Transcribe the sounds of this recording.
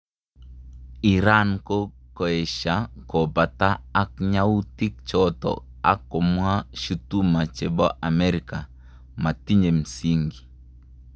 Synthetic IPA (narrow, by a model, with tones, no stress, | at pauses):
i˨ɾa˦nko˦ko˨e˨ʃa˦kɔ˨ba˨taː˦kɲa˦wu˦ti˦k̚t͡ʃɔtɔ̰ | a̰˦kːɔ˨mwa˦ʃu˦tu˦ma˨t͡ʃe˨bɔ˦ʔa˨me˦ɾi˨ka˨ | ma˨ti˦ɲe˨msi˦ŋɡi˨